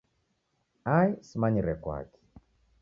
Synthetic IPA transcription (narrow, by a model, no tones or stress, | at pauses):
ajsimaɲiɾɛkwa̰ki̥